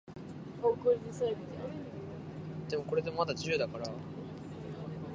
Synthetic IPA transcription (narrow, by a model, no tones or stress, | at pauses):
hoːkoɾiɲisaɾet̪ed̪eo | d̪e̞moko̞ɾe̞d̪emmat̪ad͡ʑiɯːd̪akaɾa